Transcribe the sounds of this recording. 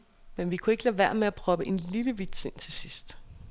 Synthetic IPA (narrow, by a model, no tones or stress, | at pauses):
menʋikʰue̝ɡ̥əlæʋæɐ̰meæpʰʁɒ̽b̥əʔe̝nliləʋid̥se̝n̰t͡sʰe̝sisd̥